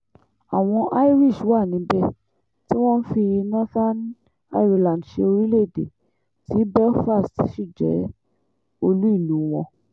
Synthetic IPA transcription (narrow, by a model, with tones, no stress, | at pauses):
a˨w̃ɔ̃˧ʔa˦i˦ɾi˦˨ʃa˦˨nĩ˨˧˦bɛ˦ | ti˦w̃ɔ̃˦n̩˦fi˧ji˧nã˦fa˦n˦ | a˧i˦ɾi˧˨lã˨n˨ʃe˧o˧ɾi˦le˦˨dḛ˨ | ti˨˦bɛ˦fa˦˨stʃi˦˨d͡ʒɛ̰˨˦ | o˧lu˦i˦˨lu˨˦w̃ɔ̃˧